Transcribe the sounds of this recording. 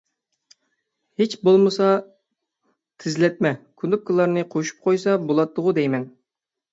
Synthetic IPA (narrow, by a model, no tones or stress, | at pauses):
het͡ʃbolˠmɨsɑ | t̪ʰɪzlɛt̪̚mɛkʲʰynd̪ʊp̚kʰʲɨlˠːɑɾnɨqʰoʃu̥p̚qʰojsɑbolˠɑt̪ːʊʁʊd̪ɛjmɛn